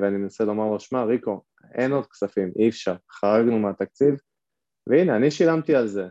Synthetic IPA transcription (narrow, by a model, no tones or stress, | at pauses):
veanimenaselo̞maʁoʃmaʁiko̞ | e̞no̞d̪̚ksafimʔiːfʃaʁχaʁaɡnumeat̪ak̚t͡siv | veineaniʃilamt̪ialze̞